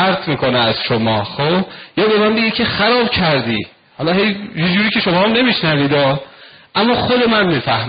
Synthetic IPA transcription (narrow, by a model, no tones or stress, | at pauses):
æɾt̪ʰmiːkoneæz̥ʃomɒːxoːbjɒːbe̞mæmbeɡicʰe̞xæɾɒːbcʰæɾd̪iː | hɒlɒɦe̞jjed͡ʒuːɾiːcʰe̞ʃomɒːhæmne̞miʃnæviːd̪ɒː | ʔæmːɒːxod̪e̞mænmiːfæh